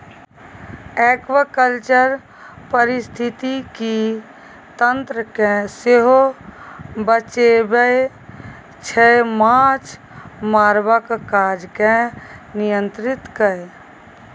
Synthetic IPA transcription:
ɛːkʋəkəlt͡ʃəɾ | pəɾɪst̪ʰɪt̪iki | t̪ə̃nt̪ɾəkẽseɦo | bət͡ʃebe | t͡ʃʰɛmãt͡ʃ | maːɾbəkkaːd͡ʒkẽnijə̃nt̪ɾɪt̪kə

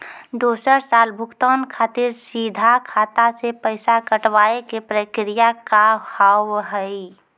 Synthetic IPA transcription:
d̪oːsəɾsaːlbʱʊkt̪ɔːnkʰaːt̪iɾsid̪ʱakʰaːt̪asepəɪsakəʈwaːekepɾəkɾijakahawɦəi

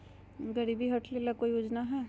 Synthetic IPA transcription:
ɡəɾibʱiɦɐʈʰlelakoːijoːd͡ʒnaɦɛː

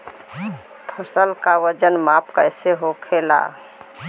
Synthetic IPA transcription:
pʰəsəlkawəd͡ʒənmapkəjseɦokʰela̰

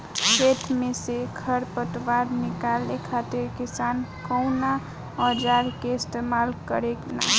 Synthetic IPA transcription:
set̪ʰmesekʰəɾpət̪waɾnikalekʰat̪iɾkisankəwna | əd͡ʒaɾkeɪst̪emalkəɾekna̰

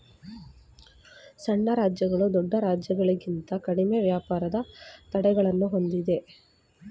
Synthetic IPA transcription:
sɐɳːɐɾaːd͡ʒjɐɡɐɭud̪ɔɖːɐɾaːd͡ʒjɐɡɐɭiɡint̪ɐkɐɽimeːʋjaːpaːɾɐd̪ɐt̪ɐɽɛɡɐɭɐnːuɦo̞nd̪id̪e̞

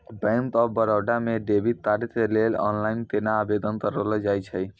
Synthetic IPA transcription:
bɛ̃nt̪ɔbəɾəwɖameɖebit̪aɾit̪elelɔ̰nlaint̪enaːbed̪ənkəɾələd͡ʒajt͡ʃʰəj

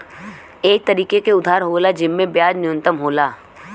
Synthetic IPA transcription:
eːk̚t̪ɐɾiːkekeʊd̪ʱaːɾɦoːlad͡ʒɪmːẽbjaːd͡ʒnɪjʊ̃nt̪əmɦoːlaː

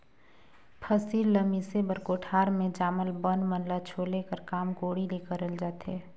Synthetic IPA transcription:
pʰəsiːlːəmisebəɾkoʈʰaːɾmẽd͡ʒaːməlbənmənlat͡ʃʰoːlekəɾkaːmɡoːɽileːkəɾəld͡ʒaːt̪eː

